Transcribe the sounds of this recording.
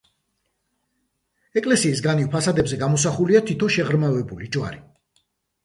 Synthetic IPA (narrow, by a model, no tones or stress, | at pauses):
ɛkʼlɛsiːsɡanivpʰasad̪ɛbzɛɡamɔs̬aχuliat̪ʰit̪ʰɔnʃɛʁɾmavɛbulid͡ʒwa̰ɾi